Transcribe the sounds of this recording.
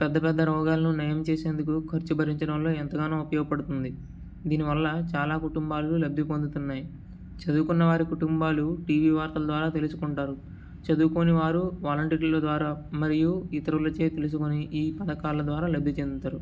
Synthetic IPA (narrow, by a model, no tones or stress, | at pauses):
pɛd̪ːɐpɛd̪ːɐɾɔːɡaːlɐnunɐjɐmt͡ʃe̞ːse̞ːnd̪ukukʰɐɾt͡ʃubʱɐɾiɲt͡ʃɐɽɐmlo̞ːɛnt̪ɐɡaːneːupɐjɔːɡɐpɐɽut̪und̪i | d̪iːniʋɐlːɐt͡ʃaːlaːkuʈumbaːlɐlulɐbʱːipond̪ut̪unːaːji | t͡ʃɐd̪uːkunːɐʋaːɾikuʈumbaːluʈiːʋiːʋaːɾt̪ɐlɐd̪ʋaːɾaːt̪elusu̥kuɳʈaːɾu | t͡ʃɐd̪uːko̞ːniʋaːɾuʋaːlɐɳʈiːɾilod̪ʋaːɾaːmɐɾijuit̪ɐɾulɐt͡ʃeːt̪elus̬ukoniʔiːpɐd̪ɐkaːlɐd̪ʋaːɾaːlɐbʱːit͡ʃe̞nd̪ut̪aːɾu